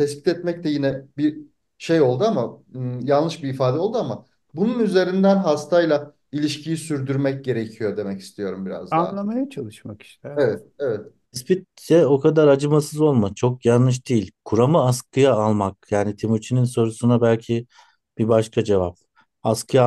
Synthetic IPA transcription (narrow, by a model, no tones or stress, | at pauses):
t̪ʰɛsbi̥t̪ɛt̪mɛc̚t̪ɛjinɛbiɾ | ʃejo̞lˠd̪uamajallˠɯʃbiːfaːd̪ɛo̞lˠd̪uama | bununyze̞ɾind̪ænɦast̪ʰajlˠa | ilʲiʃcijisyɾd̪yɾmɛc̚ɟe̞ɾecʰijo̞d̪e̞mɛci̥st̪ʰijo̞ɾumbiɾa̰zd̪anlˠamajat͡ʃʰalˠɯʃmaki̥ʃt̪ʰɛevɛt̪̚evɛt̪̚ʰ | ispit̪̚t͡ʃɛo̞kʰad̪aɾad͡ʒɯmasɯzo̞lˠmat͡ʃʰo̞kjanˠlˠɯʃ̬d̪̥iilʲkʰuɾamɯaskʰɯjaːlˠmak̚jaːnit̪ʰimut͡ʃʰininso̞ɾusunabælʲcʰi | b̥ibaʃkʰad͡ʒe̞vap̚ | askʰɯja